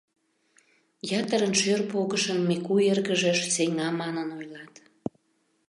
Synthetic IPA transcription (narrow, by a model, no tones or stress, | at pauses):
jɑt̪əɾənʃørpoɣəʃəmːekuerɣəʒeʃseŋɑmɑnənojlɑt̪